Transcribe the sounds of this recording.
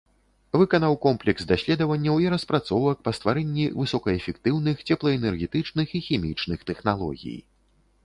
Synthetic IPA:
vɨkɐnawkɔmplʲɛksd̪asʲlʲɛd̪ɐvɐnʲːɐwiɾɐspɾat̪sɔvɐk̚pɐst̪vaɾɛnʲːivɨsɔkɐɛfʲɛkt̪ɨwnɨxt͡sʲɛplˠɐɛnɛrɣʲɛt̪ɨt͡ʂnɨxixʲɛmʲḭt͡ʂnɨxt̪ɛxnalˠɔ̰ɣʲḭj

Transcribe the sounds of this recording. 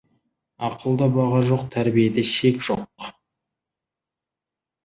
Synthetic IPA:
ɑqʰəlˠd̪ɑbɑʁɑʒo̞q̚t̪ʰæɾbijed̪eʃe̞kʒ̥o̞q

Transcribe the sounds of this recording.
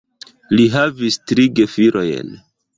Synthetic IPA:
liɦavistɾiɡefiɾʔo̞jḛn

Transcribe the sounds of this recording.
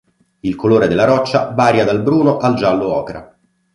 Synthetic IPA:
ilkoloːɾed̪elːaɾɔt͡ʃːavaːɾjad̪albɾuːnoʔald͡ʒalːoɔːkeɾa̰

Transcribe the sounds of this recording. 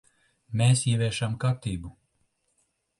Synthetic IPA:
meːsiɛvʲɛʃamkaɾt̪iːbu

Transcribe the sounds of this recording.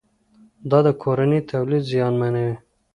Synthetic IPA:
d̪ɑd̪əkʰoɾanit̪ʰawlid̪zijɑnmanawi

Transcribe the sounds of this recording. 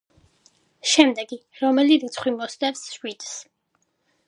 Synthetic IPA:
ʃɛmd̪ɛɡiɾɔmɛliɾit̪sʰχwimɔst̪ɛvsʃwid̪s

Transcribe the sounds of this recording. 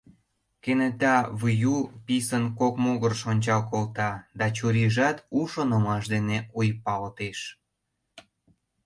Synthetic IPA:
kenĕt̪ɑβujupisənkokmoɣərʃonʲt͡ɕɑlkolt̪ɑd̪ɑt͡ɕuɾiʒɑt̪uʃonəmɑʃd̪eneujpɑlt̪eʃ

